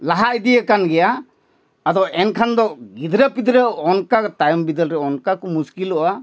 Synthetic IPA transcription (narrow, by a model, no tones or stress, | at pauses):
laɦajd̪ijəkanɡɛjaː | d̪ɔʔɛnkʰand̪ɔɡid̪ɾəpid̪ɾəɔnkat̪ajɔmbid̪əlɾɛɔnkakɔmuskilɔʔa